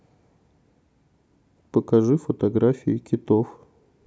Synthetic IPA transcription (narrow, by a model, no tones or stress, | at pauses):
pəkɐʐɨfət̪ɐɡɾafʲɪ̰ɪkʲɪt̪of